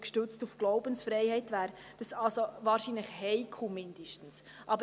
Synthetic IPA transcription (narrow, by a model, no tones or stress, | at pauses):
kʃtʏt͡stufɡ̥lɔʊbənsfɾɛɪhɛɪtvæːɾ | d̥ɑsɑlsovɑːɾʃiːnləxhɛɪkʰumɪnd̥əʃtn̩s | ʔɑbə